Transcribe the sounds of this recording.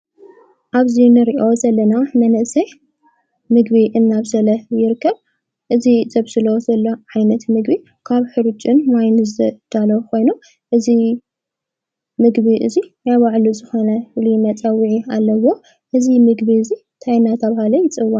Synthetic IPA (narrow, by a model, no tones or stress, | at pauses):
ʔaβzinɨɾiʔo̞zɐlːɐnamɐnɨʔsɐ | mɨɡβiʔɨnːaβzɐlɐjɪɾɨkʰːɐβ | ʔɨzizɐβsɨlozɐlːoʕajnɐt̪mɨɡbi | kʰaβħɨɾut͡ʃʼɨnmajnɨzɐd̪̥alɐkʰo̞jnu | ʔɨzi | mɨɡβiʔɨ̰zijaβaʕluzɨxo̞nɐwɨlimɐt͡sʼɐwiʕialːɐwo̞ | ʔɨzimɨɡβiɨzi | t̪ʰajnat̪ʰɐβahalɐjɪt͡sʼɨwːa